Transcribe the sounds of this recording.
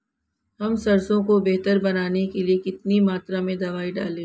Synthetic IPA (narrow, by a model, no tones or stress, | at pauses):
ɦɐmsɐɾsõkobeɦt̪əɾbɐnaːnekeliekɪt̪nimaːt̪ɾamẽd̪ɐʋaːiɖa̰ːlẽː